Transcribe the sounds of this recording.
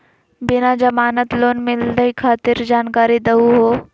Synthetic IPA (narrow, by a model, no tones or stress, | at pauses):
bɪnad͡ʒɐmaːnət̪loːnmɪld̪əikʰaːt̪ɪɾd͡ʒaːnkaːɾid̪ɐɦuɦoː